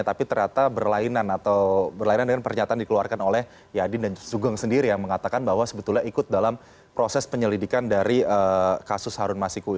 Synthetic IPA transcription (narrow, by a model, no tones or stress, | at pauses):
at̪apit̪əɾat̪abərlainanat̪awbərlainandəŋanpərɲat̪aːndikəluarkanolɛh | jadɪndansuɡaŋsəndiɾijaŋməŋat̪akanbaɦwasəbət̪ulɲaikʊt̪̚dalam | pɾosɛspəɲəlidikandaɾiəkasʊshaɾʊnmasiku